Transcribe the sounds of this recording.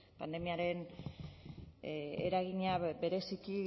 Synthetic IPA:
pand̪e̞miaɾe̞n | ḛɾaɣiɲabe̞ɾe̞siki

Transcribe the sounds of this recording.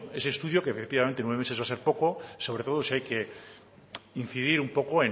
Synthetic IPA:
e̞seːst̪uðjo̞kefe̞kt̪iβament̪enwemesβase̞ɾpo̞ko̞so̞β̞ɾe̞t̪o̞ðo̞siajke̞ | in̟θiðiɾumpo̞koe̞

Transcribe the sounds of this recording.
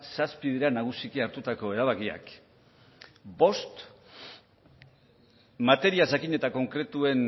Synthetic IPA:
saspiðiɾanaɣ̞usikiaɾt̪ut̪ako̞e̞ɾaβ̞akia̰k | bo̞st̪ | mat̪e̞ɾiaʝakiɲe̞t̪ako̞ŋkɾe̞t̪ue̞n

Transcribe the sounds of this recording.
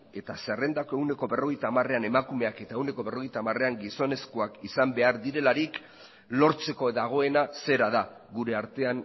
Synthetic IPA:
e̞t̪asere̞nd̪ako̞e̞wne̞ko̞βe̞ro̞ɣ̞ejt̪aːmare̞ane̞makume̞ake̞t̪ae̞wne̞ko̞βe̞ro̞ɣ̞ejt̪aːmare̞aŋɡiso̞ne̞skoakisambe̞aɾðiɾe̞laɾik | lo̞ɾt͡se̞ko̞ðaɣ̞o̞e̞nase̞ɾaða | ɣuɾe̞aɾt̪e̞an

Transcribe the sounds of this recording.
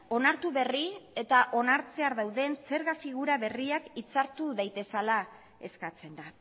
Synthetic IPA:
o̞naɾt̪uβe̞rie̞t̪aʔo̞naɾt͡se̞aɾðawðe̞nse̞ɾɣafiɣ̞uɾaβe̞riakit͡saɾt̪uðajt̪e̞sala | e̞skat͡se̞nd̪a

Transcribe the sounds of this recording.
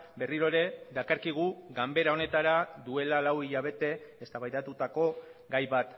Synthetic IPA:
be̞riɾoeɾe̞ðakaɾkiɣ̞uɡambe̞ɾao̞ne̞t̪aɾad̪ue̞lalawiʎaβ̞e̞t̪e̞ːst̪aβajðat̪ut̪ako̞ɡajβat̪

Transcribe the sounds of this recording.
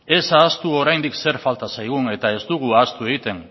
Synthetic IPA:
e̞saːst̪uo̞ɾajnd̪ikse̞ɾfalt̪asajɣune̞t̪ae̞zd̪uɣ̞uast̪ue̞ɣit̪e̞n

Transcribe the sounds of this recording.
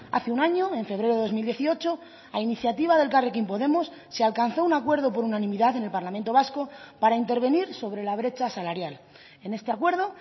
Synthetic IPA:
a̰θeunaɲoe̞ɱfe̞β̞ɾeɾoo̞zmild̪je̞θio̞t͡ʃo̞ | ainiθjat̪iβaðe̞lkarekimpo̞ðe̞mosːealkan̟θo̞unakwe̞ɾð̞o̞po̞ɾunanĩmiðaðe̞ne̞lpaɾlamẽnt̪o̞β̞asko̞paɾaint̪e̞ɾβe̞niɾso̞βɾe̞laβ̞ɾe̞t͡ʃasalaɾjal | e̞ne̞st̪eakwe̞ɾð̞o̞

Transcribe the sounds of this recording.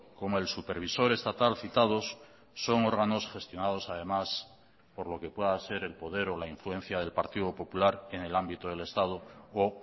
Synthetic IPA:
ko̞moe̞lsupe̞ɾβ̞iso̞ɾe̞st̪at̪alθit̪að̞osː | o̞ŋo̞ɾɣano̞sxe̞st̪jo̞nað̞o̞sað̞e̞mas | po̞ɾlo̞ke̞pwe̞ðase̞ɾe̞lpo̞ðe̞ɾo̞laiɱfluẽ̞n̟θjaðe̞lpaɾt̪iðo̞po̞pulaɾe̞ne̞lambit̪oðe̞le̞st̪að̞o̞ː

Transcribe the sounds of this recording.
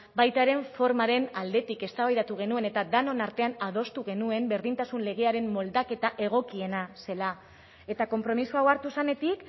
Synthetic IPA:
bajt̪aɾe̞ɱfo̞ɾmaɾe̞nald̪e̞t̪ike̞st̪aβajðat̪uɣ̞e̞nue̞ne̞t̪ad̪anonaɾt̪e̞anaðo̞st̪uɣ̞e̞nue̞mbe̞ɾðint̪asunle̞ɣ̞e̞aɾe̞mmo̞ld̪ake̞t̪aʔe̞ɣ̞o̞kie̞nase̞la | e̞t̪ako̞mpɾo̞misuawaɾt̪usane̞t̪ik

